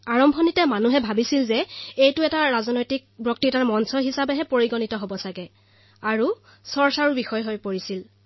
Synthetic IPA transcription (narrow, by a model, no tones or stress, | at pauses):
aɹɔmbʱɔnitɛmanuɦɛbʱabisilzɛejtʊɛtaɹazɔnojtik̚bɔk̚titaɹmɔnsɔɦisabɛɦɛpoɹiɡonitɔɦobɔsaɡɛ | aɹu | sɔɹsaɹubixɔjɦojpoɹisil